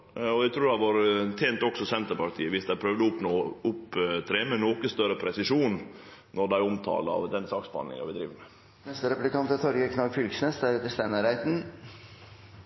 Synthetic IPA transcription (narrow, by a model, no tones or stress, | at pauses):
ɔʋæt̪ʰɾuːɾdæʋɑːɾt̪ʰeːnt̪ɔksɔsɛnt̪əɾpɑɾʈ̪ʰiːəʋɪsd̪æɪpʰɾœʋd̪əʊpnoːʊpːt̪ʰɾeːmɛnoːkəst̪œɾəpʰɾɛsɪʂuːnnɔd̪æɪʊmt̪ʰɑ̰ːləɑ̰ʋd̪ɛnsɑːksbɑ̰nɪ̰ŋɑ̰ʋɪd̪ɾiːʋəmɛ | nɛst̪əɾɛpʉlɪkʰɑnt̪ət̪ʰɔɾɡəkʰnɑɡfʏlɡsnesd̪æɾɛt̪əst̪ænəɾæɪt̪n̩